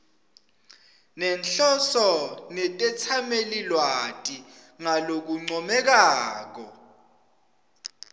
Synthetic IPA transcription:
nɛnɬɔsɔnɛtʼɛt͡sʰamelilwatʼi | ŋalok̬uŋ͡ǀɔmɛk̬aːk̬ɔ

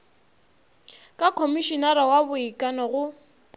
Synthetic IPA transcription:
kʼakʰomiʃɔnaɾawabʊikʼanɔɣʊ

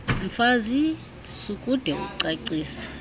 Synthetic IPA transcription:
m̩fazi | sukʼud̥ʱɛṵǀaǀiːsḁ

